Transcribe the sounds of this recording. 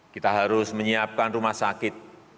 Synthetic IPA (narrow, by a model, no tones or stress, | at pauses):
kit̪aɦaɾʊsməɲiap̚kanrumahsakɪt̪̚